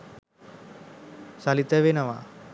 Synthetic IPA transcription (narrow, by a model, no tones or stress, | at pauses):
salit̪əʋenɐʋa